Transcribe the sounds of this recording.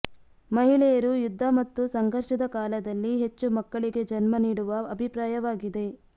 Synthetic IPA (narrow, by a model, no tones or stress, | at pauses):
mɐɦiɭɛjɐɾujud̪ʱːɐmɐt̪ːusɐŋɡʱɐɾʃɐd̪ɐkaːlɐd̪ɐlːiɦe̞t͡ʃːumɐkːɐɭiɡe̞d͡ʒɐnmɐniːɽuʋɐɐbʱipɾaːjɐʋaːɡid̪e̞